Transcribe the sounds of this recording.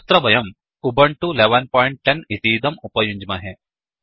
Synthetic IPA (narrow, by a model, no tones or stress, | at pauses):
st̪ɾɐbɐjɐm | ubɐɳʈuleʋɐnpɔːjɳʈ̚ʈːenit̪iːd̪ɐmupɐjuɲd͡ʒmaɦe